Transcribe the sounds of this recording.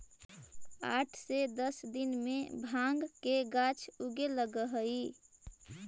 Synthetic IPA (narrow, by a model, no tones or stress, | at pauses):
a̰ːʈʰsed̪əsd̪inmẽbʱãŋɡkeɡat͡ʃʰuɡeləɡəɦəi